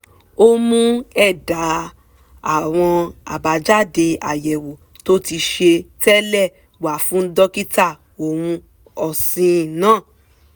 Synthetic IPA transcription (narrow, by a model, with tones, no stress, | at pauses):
o˦mũ˦ɛ˦˨da˨˦ | a˦˨w̃ɔ̃˧a̰˨ba˨d͡ʒa˦de˧a˨jɛ˨wo˨ | to˦ti˧ʃe˧tɛ˦lɛ˦˨ | wa˨fũ˨˦n̩˦dɔ˦ki˦ta˦˨ | o˨w̃ũ˧ | ɔ˨sĩ˧˨nãː˨˦˨